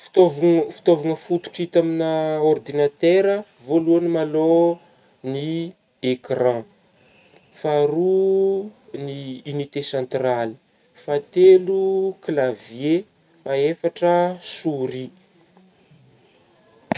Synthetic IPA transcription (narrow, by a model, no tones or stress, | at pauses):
fi̥t̪ovfi̥t̪ovaŋəfut̪u̥ʈ͡ʂit̪aminəord̪inat̪ɛɾə | voluanimalo | ni | ekrã | faɾu | niːnit̪esãnt̪rali̥ | fat̪eluklavje | maefaʈ͡ʂəsuɾi